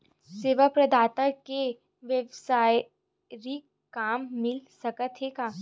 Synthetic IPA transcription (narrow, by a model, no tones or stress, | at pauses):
seːʋəpɾɐd̪ʱaːt̪əke | ʋjəʋsaːj | ɾik | kaːmːɪlsɐkət̪ʰekaː